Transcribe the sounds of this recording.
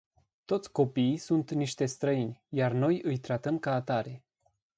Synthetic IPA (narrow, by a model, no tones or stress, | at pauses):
t̪o̞t̪sʲko̞piːsunt̪niʃt̪e̞st̪ɾəinʲjarno̞jɨjt̪ɾat̪əmkaːt̪aɾe̞